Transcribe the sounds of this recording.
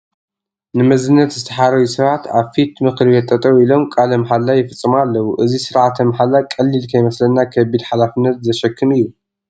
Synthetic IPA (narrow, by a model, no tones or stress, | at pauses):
nɨmɐzɨnːɐt̪zɨt̪ʰɐħaɾɐwisɐβat̪ʰaβfit̪mɨxlβet̪ʼːɐt̪ʼɐwilo̞mkʼalɐmħalːajɪfɨt͡sʼːɨmalːɐwuʔɨzisɨɾʕat̪ʰɐmħalːakʼɐlːilkʰɐjmɐslɐnːakʰɐbid̪ħalafɨnːɐt̪zɐʃɐkʰːɨmɨjːu